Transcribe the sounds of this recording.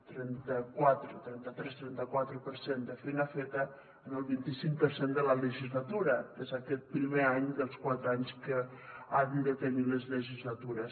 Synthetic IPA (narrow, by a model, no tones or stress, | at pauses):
t̪ɾɛnt̪əkwat̪ɾət̪ɾɛnt̪ət̪ɾɛst̪ɾɛnt̪əkwat̪ɾəpəɾsend̪əfejnafet̪ə | ənəlˠβint̪isiŋkpəɾsend̪ələləʒizlat̪uɾəezakɛt̪̚pɾimeaɲd̪əlˠskwat̪ɾəaɲskə | and̪ət̪əniləzləʒizlat̪uɾəs